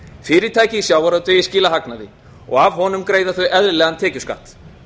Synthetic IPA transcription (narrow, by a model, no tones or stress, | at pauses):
fɪːɾɪɾ̥t̪ʰaːjcɪisjaːwvaɾœt̪ʏjɪsciːlaɦaknaðɪ | ɔ̰ɣavɦɔnʏmkɾeːjðaθʏʔɛðɾlɛːɣant̪ʰɛːcʏska̰ht̪